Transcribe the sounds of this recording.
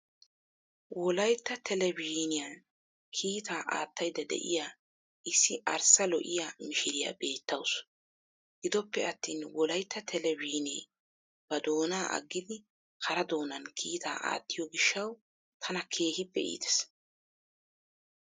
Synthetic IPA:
wɔlɐjt̪ːɐt̪ʰɛlɛbiːnɪjɐn | kʰiːt̪ʰaːʔa̰ːt̪ːɐjd̪ɐd̪ɛ̰ʔɪ̰jaː | ʔɪsːɪʔɐɾsɐlɔ̰ʔɪjamɪʃɪɾɪja̰be̞ːt̪ːɐws | ɡ̥ɪd̪ɔpːɛɐt̪ːiːnwɔlɐjt̪ːɐt̪ʰɛlɛbiːnḛː | b̥ɐd̪o̞ːnaːʔɐ̰ɡːɪd̪ɪ | kʰɐɾɐd̪o̞ːnɐnkʰiːt̪ʰa̰ːʔa̰ːt̪ːɪjɔɡɪʃːɐw | t̪ʰɐnɐkʰe̞ːhɪpːɛʔḭːd̪ɛ̥s

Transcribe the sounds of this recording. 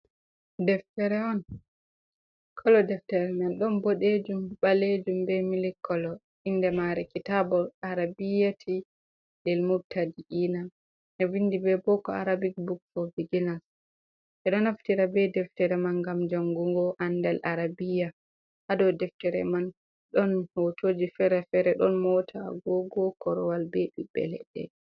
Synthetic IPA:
dɛftɛɾɛɔn | kʰɔlɔdɛftɛɾɛmanɗɔnbɔɗed͡ʒumɓaled͡ʒumbɛmilikːɔlɔ | indɛmaɾɛkitabɔaɾabijatʰi | lɛlmuɾtʰadiʔina | ʔɛvindibɛbɔkɔaɾabik̚bukfɔviɡinas | ʔɛɗɔnaftiɾabɛdɛftɛɾɛmanɡamd͡ʒaŋɡuŋɡɔʔandɛlʔaɾabija | hadɔdɛftɛɾɛ̰man | ɗɔnhotoːd͡ʒifɛɾɛfɛɾɛɗɔ̰nmɔtʰa̰ɡɔɡɔkɔɾɔwalbɛɗibɛ̰lɛ̰ɗɛ̰

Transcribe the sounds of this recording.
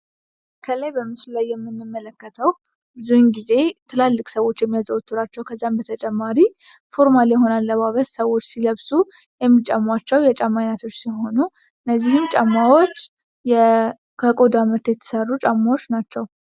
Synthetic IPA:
kʰələjbəmɨslulajːɛmːɨnːɨmːələkːət̪ʰəw | bɨzuhɨnɡize̞t̪ʰɨlalːɨkʼsəwo̞t͡ʃːjɛmːijazəwt̪ʰːuɾat͡ʃːɛwkʰəzːambət̪ʰət͡ʃʼɛmːaɾi | fo̞ɾmaljɛɦo̞nalːəmaβət̪səwo̞t͡ʃːsiləβsu | jɛmːit͡ʃʼamːat͡ʃːɛwjɛt͡ʃʼamːajnat̪ʰo̞t͡ʃːsiɦo̞nu | ɨnːəzːihɨmt͡ʃʼamːawot͡ʃː | jɛ | kʰəkʼo̞d̪amət̪jɛt̪ʰːə̥sərːut͡ʃʼamːawo̞t͡ʃːnat͡ʃːɛw

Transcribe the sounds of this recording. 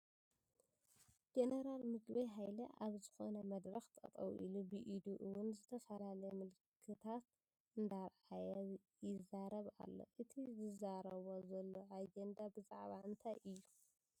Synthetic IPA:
d͡ʒeneɾalmɨɡbɐjɦajlɐʔaβzɨxo̞nɐmɐd̪ɾɐxt̪ʼɐ̰t̪ʼɐ̰wʔḭlubɨʔid̪uʔɨwʊnzɨt̪ʰɐfɐlalɐjmɨlkʰːɨt̪ʰat̪ | ɨnd̪aɾʕajɛjɪzaɾɐβa̰lːo̞̰ʔɨt̪ʰizɨzaɾɐβo̞zɐlːo̞ʔad͡ʒend̪abɨzaʕβaɨnt̪ʰajʔɨjːu

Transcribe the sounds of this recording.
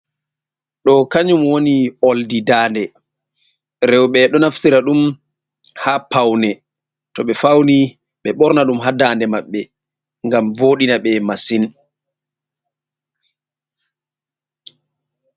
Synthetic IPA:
ɗɔkaɲumwonioldidaːndɛ | ɾɛwɓɛɗɔnaftiɾaɗum | hapawnɛ | tɔɓɛfawni | ɓɛɓɔɾnaɗumɦadandɛmaɓːɛ | ŋɡamvoɗinaɓɛmasin

